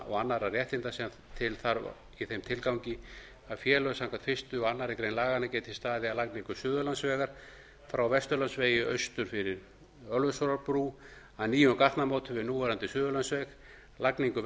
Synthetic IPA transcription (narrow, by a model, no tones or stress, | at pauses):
ʔɔ̰ɣanːaɾarjɛht̪ɪnt̪asɛ | t̪ʰɪlθaɾ | iθejmt̪ʰɪlkawɲcɪ | aðfjɛːlœsaŋkat̪fɪst̪ʏɔanːaɾɪkɾejnlaːɣanacɛːt̪ʰɪist̪aːðɪalakniŋkʏsʏːðʏlant̪svɛːɣaɾ̥ | fɾawvɛst̪ʏɾlansveːjɪœɥst̪ʏɾ̥fɪɾɪɾ | œlvʏsɔɾaɾpɾu | aðniːjʏnkaht̪namoːwt̪ʰʏvɪnuːvaɾant̪ɪsʏːðʏlansvɛx | lakniŋkʏ